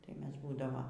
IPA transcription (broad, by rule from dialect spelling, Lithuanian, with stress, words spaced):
tɐɪ ˈmʲɛs ˈbuːdɐʋɐ